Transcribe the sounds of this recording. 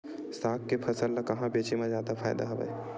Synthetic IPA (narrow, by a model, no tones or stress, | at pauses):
sakːepʰəsəlːəkəɦãbet͡ʃemezjad̪apʰa̰ɪd̪a̰ɦəbɛ̰j